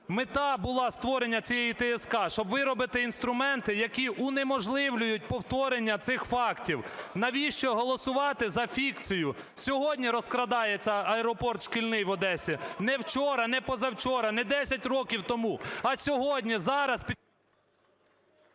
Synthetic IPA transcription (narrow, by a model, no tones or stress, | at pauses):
mɪt̪ɑbʊlˠɑst̪ʋɔɾenʲːɐt͡sʲijɛjit̪ɛɛskɑʃt͡ʃɔbʋɪɾɔbɪt̪ɪin̪st̪ɾʊmɛnt̪ɪjɐkʲiʔʊnemɔʒlˠɪwlʲʊjʊt̚ʲpɔwt̪ɔɾenʲːɐt̪sɪxfɑktʲiwnɐʋʲiʃt͡ʃɔɦɔlˠɔsʊʋɑt̪ɪzɐfʲikt͡sʲijʊ | sʲɔɦɔdʲnʲiɾɔskɾɐd̪ɑjet͡sʲːɐɐɛɾɔpɔrt̪ʃkilʲnɪjʋɔd̪ɛsʲinɛwt͡ʃɔɾɐnɛpɔzɐwt͡ʃɔɾɐnɛd̪ɛsʲɐtʲrɔkʲiwt̪ɔmuɐsʲɔɦɔdʲnʲizɑɾɐspʲi